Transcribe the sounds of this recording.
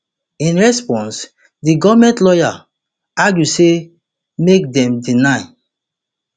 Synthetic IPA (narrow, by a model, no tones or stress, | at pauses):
ĩnɹɛspɔ̃ns | diɡɔvmɛ̃ntlɔja | aɡjuse | mek̚dɛ̃mdinaɪ